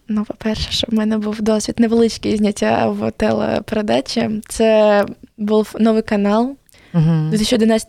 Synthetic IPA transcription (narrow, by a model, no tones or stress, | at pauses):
nupɐpʲerʂə̥ʂt̪obmɛnəbɨfd̪osʲvʲɪt̪ʲnəvɨlˠɨt͡ɕkʲɪɪzʲnʲatʲavo̰t̪ɛlˠə̰pɾɐd̪at͡ɕɪt̪sɛ | bɨlˠnovɨjkɐnalˠʲ | ɪt̪ɨɪɕʊd̪ʲɪnas